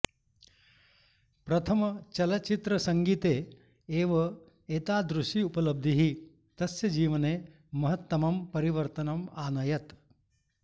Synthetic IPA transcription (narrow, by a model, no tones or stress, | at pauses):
pɾɐt̪ʰɐmɐt͡ʃɐlɐt͡ʃit̪ɾɐsɐŋɡit̪eː | eːʋɐ | eːt̪aːd̪ɾuʂʈiupɐlɐb̚d̪ʱiɦi | t̪ɐsjɐd͡ʒiːʋɐneː | mɐɦɐt̪ːɐmɐmpɐɾiʋɐɾt̪ɐnɐmaːnɐjɐt̪